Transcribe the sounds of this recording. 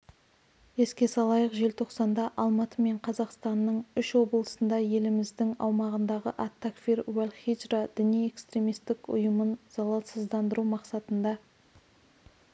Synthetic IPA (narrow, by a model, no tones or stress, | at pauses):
e̞skʲe̞sɑlˠɑjəqʒe̞lt̪ʰo̞qsɑnd̪ɑʔɑlˠmɑt̪əme̞ɴqʰɑzɑqst̪ɑnːəɴʏʃwo̞blˠəsənd̪ɑje̞lɪmɪzd̪ɪŋɑ̰wmɑʁənd̪ɑʁəʔat̪ːakfiɾwælʲχid͡ʒrad̪̥ɪnije̞kst̪ɾʲe̞mijst̪ɪkʊ̰jəmənz̥ɑlˠɑsəzd̪ɑnd̪əɾumɑqsɑt̪ənd̪ɑ